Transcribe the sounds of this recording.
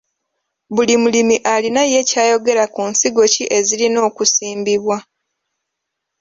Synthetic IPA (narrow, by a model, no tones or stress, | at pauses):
βulimulimiʔalinaje̞caːjo̞ɡe̞ɾakunsiɡo̞ciʔe̞zilino̞ːkusiːmbiβwa